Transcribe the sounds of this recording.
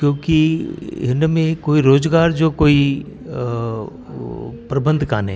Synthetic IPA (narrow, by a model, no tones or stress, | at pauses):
kjõːkiɪnmẽkoːiɾoːzɡaːɾd͡ʒokoːi | pɾɐbə̃nd̪ʱkaːne